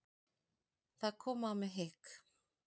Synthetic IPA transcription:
θakʰomameɦek

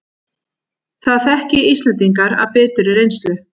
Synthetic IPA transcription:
θaðθɛhcɪist̪lɛnt̪iŋkaɾa̰ðpɛːt̪ʏɾɪrejnst̪ʏ

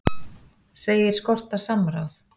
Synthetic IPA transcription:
seːjɪɾ̥skɔr̥t̪asamɾa̰wθ

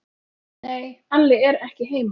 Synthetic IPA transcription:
neːjanlːɪɛɾɛhcɪɦeːjm

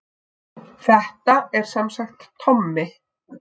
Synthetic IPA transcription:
θɛht̪aɛɾ̥sɛmsaxt̪ːʰɔmːɪ

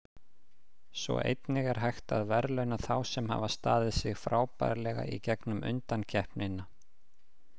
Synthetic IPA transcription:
svɔ̰ʔḛjt̪nɪɣɛɾ̥ɦajxt̪a̰ðvɛɾlœɥnaθawsɛmha̰vast̪aːðɪðsɪɣfɾaːwpajɾlɛɣa̰ʔicɛknʏmʔʏ̰nt̪ancʰɛhpnɪnːa

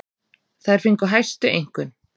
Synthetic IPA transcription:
θaðɛɾ̥fɪŋkɔɦajst̪ʏejŋ̥kʏn

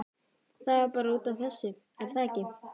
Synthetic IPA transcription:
θaðvaɾpaːɾauːt̪avθɛsːɪ | ɛɾ̥θaɛcɪ

